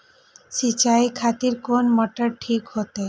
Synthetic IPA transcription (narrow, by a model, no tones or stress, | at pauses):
sit͡ɕajkʰat̪iɾkonmɔʈəɾʈʰikɦot̪e